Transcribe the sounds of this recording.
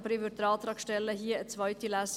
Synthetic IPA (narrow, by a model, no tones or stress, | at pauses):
pɾɪʋʉɾt̪ɾɑːlt̪ʰɾɑkʃʈɛləhiːəɛt̪sʋɑʏt̪ʰɪlæːs